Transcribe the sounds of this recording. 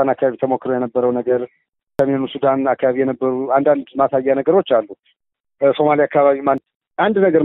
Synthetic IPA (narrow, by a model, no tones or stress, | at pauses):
anakʰːaβaβit̪ʰəmokːɾojɛnəbːəɾəwnəɡəɾ | səmenusud̪anakːaβaβijɛnəbːəɾuand̪and̪masajːanəɡəɾo̞t͡ʃːalːu | so̞maliakːaβaβiman | ʔand̪nəɡəɾ